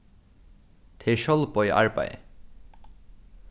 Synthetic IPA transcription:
ʈʰeʃɔlpɔja̰ɹpa̰jḛ

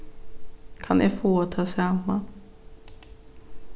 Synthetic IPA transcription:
kʰanːɛfoːat̪ʰɑːsɛmːa

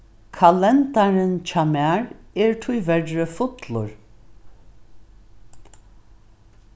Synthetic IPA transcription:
kʰalɛnt̪aɾənt͡ʃʰamaɾeːɹt̪ʰʊjvɛɾːəfʊt̪lʊ̰ɹ

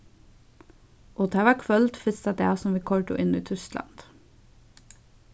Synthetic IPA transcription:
ʔoːt̪ʰæːʋækʰʋœlt̪fɪst̪ɑd̪eːæːsɔmʋiːkʰɔɹʈʊ̰ʔɪnḭːt̪ʰʏst̪lɑ̰nd̪̥

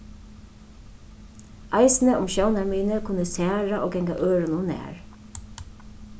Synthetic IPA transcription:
ʔaɪsnəʔʊmʃownaɹmiːnəkʰʊnːəsæːɹaʔoːɡɛŋka̰ʔøːɹənʊnæ̰ːɹ

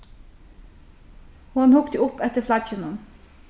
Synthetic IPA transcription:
hʊnhʊkt̪əʊpɛt̪əflɑçənən

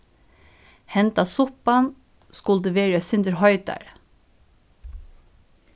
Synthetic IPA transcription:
hɛnt̪asʊpan | skʊlt̪əʋeːɹasɪnd̪əɾɦɔʏt̪a̰ɹ

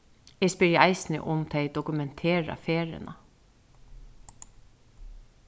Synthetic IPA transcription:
ɛspɪɹjəɑɪsnɪ̰ʔʊmt̪ʰɛɪd̪ɔkʉmɛnt̪ʰeːɹa̰feːɹɪ̰na̰

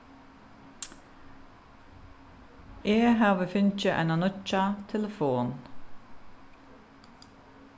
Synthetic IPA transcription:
ʔeːhɑːʁʋəfʏnc͡çəʔæ̰nɑnʊt͡ʃɑt̪ʰɛləfoːn

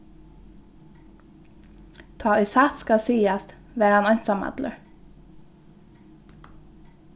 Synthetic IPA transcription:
t̪ʰɑːɔʏsaːt̪skalsiːast̪ | ʋæːɾhanɔɲ̥t̪samɑ̰d̪lə̰ɹ

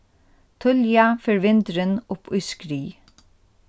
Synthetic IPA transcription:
t̪ʰʊljɑfœɹʋɪnd̪əɾənʊpʰʉskɾiː

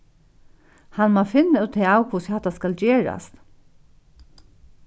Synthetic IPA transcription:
hɑnmoːfɪnəoːt̪ʰeːɑːʊkʰʊshɑt̪ɑskɑld͡ʒeːɹɑ̰st̪

